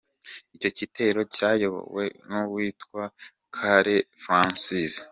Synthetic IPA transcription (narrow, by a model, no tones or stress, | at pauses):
ico̞cite̞ɾo̞caːjo̞βo̰wḛnuβwiːtkwa | kʰaɾefɾãnsis